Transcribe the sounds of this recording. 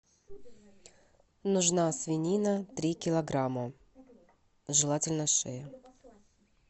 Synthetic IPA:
nʊʐnasvʲɪnʲinət̪ɾʲikʲɪlˠɐɡɾamə | ʐɨlˠatʲɪlʲnəʂɛjə

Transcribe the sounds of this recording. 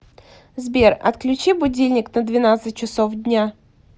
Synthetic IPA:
zbʲerɐ̰t̪klʲʉt͡ɕibʊdʲilʲnʲɪknəd̪vʲɪnat̪sɨt̚ʲt͡ɕɪsofdʲnʲa

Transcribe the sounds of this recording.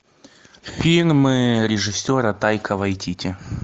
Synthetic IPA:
fʲilʲlʲmɨɾʲɪʐɨsʲːoɾət̪ajkʰəvɐjt̪ʲitʲɪ

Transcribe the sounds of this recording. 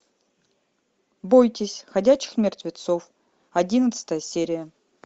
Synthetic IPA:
bojtʲɪsʲxɐdʲæt͡ɕːɪ̥xmʲɪrt̪vʲɪt̪sof | ɐdʲinət̪sɨ̥t̪əjəsʲeɾʲɪjə

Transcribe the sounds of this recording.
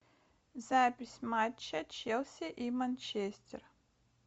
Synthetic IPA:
zapʲɪsʲmat͡ɕːɐt͡ɕelˠsʲɪʔimanʲt͡ɕesʲtʲɪ̰r

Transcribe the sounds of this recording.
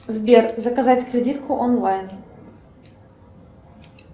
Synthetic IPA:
zbʲet̪zɐkɐzatʲkɾʲɪdʲit̪kʰʊʔɔnlˠajn

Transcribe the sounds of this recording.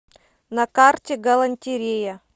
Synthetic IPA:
nɐkartʲɪɡɐlˠɐnʲtʲɪɾʲejɐ

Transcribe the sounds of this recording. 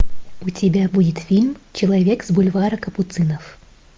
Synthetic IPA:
ʊtʲɪbʲabudʲɪt̪fʲilʲmt͡ɕɪlˠɐvʲekzbʊlʲvaɾɐkəpʊt̪sɨnəf

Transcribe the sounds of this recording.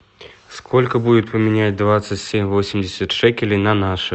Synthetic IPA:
skʰolʲkəbudʲɪt̪̚pəmʲɪnʲad͡zʲd̪vat̪sɨtʲsʲemʲvosʲɪmʲdʲɪsʲət̪ʂɛkʲɪlʲɪjnɐnaʂɨ

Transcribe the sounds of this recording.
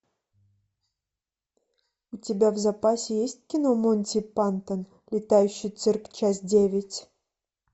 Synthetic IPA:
utʲɪbʲavzapasʲɪjesʲt̚ʲkʲɪnomonʲtʲipant̪ən | lʲɪt̪ajʉɕːɪjt̪sɨrkt͡ɕas̬dʲevʲɪtʲ

